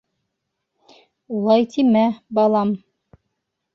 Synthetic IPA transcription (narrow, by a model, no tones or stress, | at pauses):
lˠɑjt̪imæbɑlˠɑm